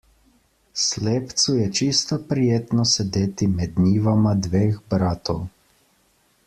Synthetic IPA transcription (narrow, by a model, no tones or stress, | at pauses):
sleːpt̪sujɛt͡ʃist̪ɔpɾijeːt̪nɔsɛd̪eːt̪imɛd̪niːʋamad̪ʋeːxbɾaːt̪ɔw